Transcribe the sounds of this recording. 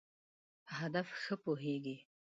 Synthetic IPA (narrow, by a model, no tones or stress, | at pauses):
ɦad̪afxəpoɦeɡi